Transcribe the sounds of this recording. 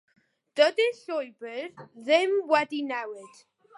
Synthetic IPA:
d̥ədɪɬɔjbəɾðɪmwɛdinɛwɪd̥

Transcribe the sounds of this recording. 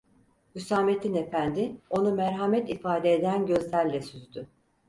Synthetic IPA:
ysaːme̞t̪inefænd̪ɪo̞numæɾɦamɛt̪ifaːd̪eːd̪ænɟø̞zlʲæɾlʲɛsyzd̪y

